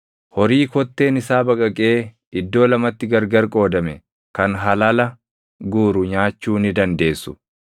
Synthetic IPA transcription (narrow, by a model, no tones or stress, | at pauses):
hɔɾiːkɔt̪ːe̞ːnɪsaːbɐkʼɐkʼe̞ː | ɪd̪ːo̞ːlɐmɐt̪ːɪɡɐɾɡɐɾkʼo̞ːd̪ɐmɛ | kɐnɦɐlɐlɐ | ɡuːɾʊɲaːt͡ʃːuːnɪd̪ɐnd̪e̞ːsːʊ̥